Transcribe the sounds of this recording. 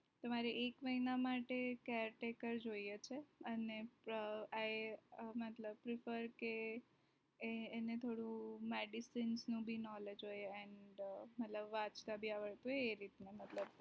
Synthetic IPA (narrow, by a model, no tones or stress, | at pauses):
t̪əmaɾiʔekməɦinamaʈekɛɾʈekəɾd͡ʒoijet͡ʃʰeənepəajmət̪ləb̚pɾɪfəɾke | net̪ʰoɽũmeɖisinsnũbʱinɔled͡ʒɦojeɛɳɖmət̪ləbʋãt͡ʃt̪abʱiaʋəɭt̪uɦeːɾit̪nemət̪ləb